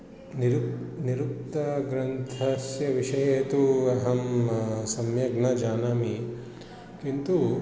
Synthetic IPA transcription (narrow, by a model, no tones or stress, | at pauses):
niɾuniɾup̚t̪ɐɡɾɐnt̪ʰɐsjɐʋiʂɐjeːt̪uɐɦɐmsɐmjɐɡnɐd͡ʒaːnaːmi | kint̪u